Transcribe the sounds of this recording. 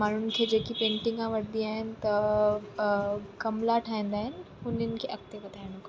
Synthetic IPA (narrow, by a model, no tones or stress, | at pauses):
maːn̤ʊnɪ̆kʰeːd͡ʑeːkipẽːɳʈɪ̃ŋɡãʋɐʈʰd̪iaːɦɪnɪ̆t̪ɐ | kɐmlaʈʰaːĩːn̆d̪aːɦɪnɪ̆ɦʊnənɪ̆kʰeːʔɐk̚t̪epɐt̪ʰaːɪɽ̃ʊka